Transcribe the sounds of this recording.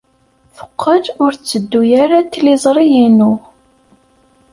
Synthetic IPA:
fə̥qʰːədʊɾt͡sːəd̪ːujaɾat̪ːlizˤɾˤijinʊ

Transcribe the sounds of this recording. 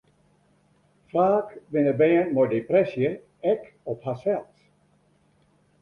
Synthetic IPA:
fraːkʋɪnəbɛənmɔjdeprɛsjə | ɛk | ɔphasɛlˠt

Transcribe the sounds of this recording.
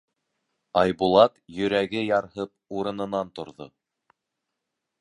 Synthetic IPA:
ɑjbulˠɑt̪jɵ̆ɾæɡɘjɑɾhɤp̚uɾɤ̆nɤ̆nɑnt̪ŏɾðo̰

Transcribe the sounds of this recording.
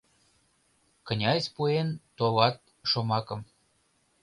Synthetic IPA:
kə̆nʲɑsʲpuent̪olɑt̪̚ | ʃomɑkɤ̆m

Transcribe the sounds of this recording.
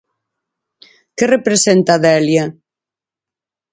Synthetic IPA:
kerepɾesent̪aðɛlja

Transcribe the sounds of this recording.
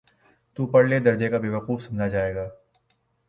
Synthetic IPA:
t̪upɐɽled̪ɐɾd͡ʒekabeʋəquːfsɐmd͡ʒad͡ʒaːeːɡaː

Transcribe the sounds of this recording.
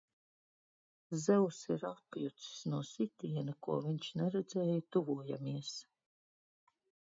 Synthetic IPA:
zɛwsiɾapjut̪ssnuɔsit̪ʲiɛnkuɔviɲt͡ʃnɛɾɛd̪zɛːjut̪uvuɔja̰miɛs

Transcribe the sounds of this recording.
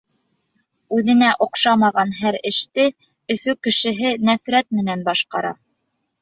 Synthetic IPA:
ʉðɘ̆næʔŏqʃɑmɑʁɑnɦæɾɘ̆ʃt̪ɘ | ɵ̆fɵkɘ̆ʃɘ̆ɦɘnæfɾæt̪mɘ̆nænbɑʃqɑɾɑ̰

